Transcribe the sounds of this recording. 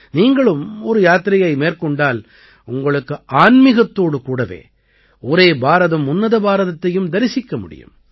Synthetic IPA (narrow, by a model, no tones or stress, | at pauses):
niːŋɡɐɭɯmɔɾɯjaːt̪ɪɾɪjɐɪmeːrkɔɳɖaːl | ʊŋɡɐɭɯkːɯʔaːnmɪɣɐt̪ːoːɽɯkuːɽɐʋḛː | ɔɾeːbaːɾɐðɐmʊnːɐðɐbaːɾɐðɐt̪ːɐjɯmd̪ɐɾɪsɪkːɐmʊ̰ɽɪ̰jɯ̰m